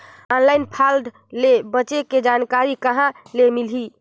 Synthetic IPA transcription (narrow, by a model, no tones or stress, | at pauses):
ɔnlajnpʰald̪ | lebət͡ʃeked͡ʒankaɾikəɦãlemilɦi